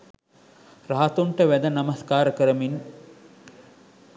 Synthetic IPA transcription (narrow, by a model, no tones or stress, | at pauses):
raɦat̪uɳʈəʋæd̪ənamɐskaːɾəkəɾəmin